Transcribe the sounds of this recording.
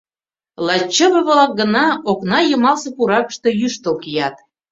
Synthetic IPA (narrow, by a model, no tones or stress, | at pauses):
lɑt͡ɕːəβə̆βlɑk̚ɡə̆nɑoknɑjə̆mɑlsɤpuɾɑkə̥ʃt̪ɤjyʃt̪olkijɑt̪